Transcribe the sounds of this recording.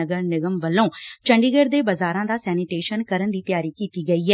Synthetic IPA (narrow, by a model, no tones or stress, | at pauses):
əɡəɾnɪɡəmʋəlːõːt͡ʃəɳɖiːɡeːɾd̪eːbəzaːɾãːd̪aːsɛːnɪʈeːʃənkəɾənd̪iːt̪ɪjaːɾiːkiːt̪iːɡəiːɦɛː